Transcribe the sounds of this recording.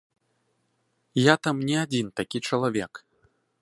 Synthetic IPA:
jat̪amnʲɛad͡zʲint̪akʲit͡ʂɐlˠavʲɛk

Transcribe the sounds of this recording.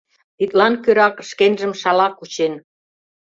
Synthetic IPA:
t̪it̪̚lɑnkøɾɑkʃkenʒə̆mʃɑlɑkut͡ɕen

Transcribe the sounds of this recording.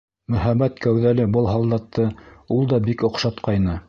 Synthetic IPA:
mɵ̆hæmæt̪kæwðælɘbɤlˠɦɑlˠd̪ɑt̪ːɤulˠd̪ɑbikŏqʃɑt̪qɑjnɤ

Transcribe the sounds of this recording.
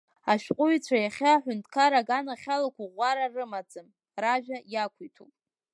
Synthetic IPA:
aʃᶣqʷʼʊit͡sʷʰajaχʲaħʷᶣʊntʰkʰaɾaɡanaχʲalakʷʰaʁʷaɾarɨmad͡zʼɨm | raʒᶣajakʷʰuijtʰṵpʼ

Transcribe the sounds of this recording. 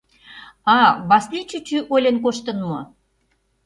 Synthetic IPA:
ɑβɑslit͡ɕyt͡ɕyʔolʲenk̬oʃt̪ə̆nmɤ̰̆

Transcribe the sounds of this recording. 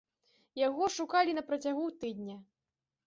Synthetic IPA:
jaɣɔʂukalʲinɐpɾɐt͡sʲaɣut̪ɨd̪̚ʲnʲɐ

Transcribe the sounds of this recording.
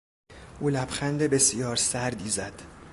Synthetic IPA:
ʔuːlæbxænd̪ebe̞sijɒːɾsæɾd̪iːzæd̪̥

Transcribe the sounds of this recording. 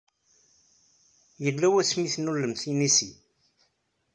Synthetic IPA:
jəlːæwæsmiθnulːəmθinisi

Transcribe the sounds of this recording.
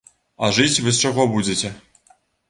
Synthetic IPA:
ɐʐɨt͡sʲvɨs̬t͡ʂaɣɔbud͡zʲet͡sʲɛ

